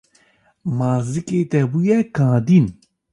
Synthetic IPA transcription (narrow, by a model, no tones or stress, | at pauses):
maːzɨkeːt̪ɛbujɛkãːd̪in